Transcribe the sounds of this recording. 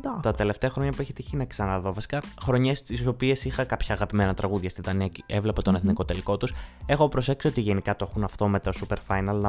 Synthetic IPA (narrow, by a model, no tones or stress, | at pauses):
d̪t̪ɐt̪e̞le̞ft̪e̞ɐxɾo̞ɲɐpueçit̪içinɐksɐnɐðo̞vɐsi̥kɐxɾo̞ɲe̞st̪iso̞pie̞sixɐkɐpçɐːɣɐpime̞nɐt̪ɾɐɣuðʝɐst̪iðɐniɐeevle̞pɐt̪o̞neθniko̞t̪e̞liko̞t̪use̞xo̞pɾo̞se̞ksio̞t̪iʝenikɐt̪oexunɐft̪o̞me̞t̪o̞supe̞ɾfɐjnɐlnɐ